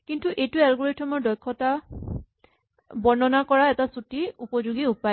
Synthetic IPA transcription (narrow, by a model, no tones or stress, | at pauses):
kintuʔejtuɛlɡoɹitʰɔmɔɹdɔjkʰːɔta | bɔɹnɔnakɔɹaɛtasutiupɔzuɡiupa